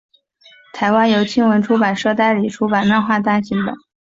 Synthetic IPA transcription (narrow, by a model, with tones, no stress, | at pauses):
t̪ʰa˧˥ɪwa˥njo˧˥ʊt͡ɕʰi˥ŋwə˧˥nʈ͡ʂʰu˥pa˨˩nʂɤ˥˧t̪̬a˥˩ɪli˨˩ʈ͡ʂʰu˥pa˨˩nla˥˧nxwa˥˧t̪̬a˥˩ɕi˧˥nd̪ə̰˧˩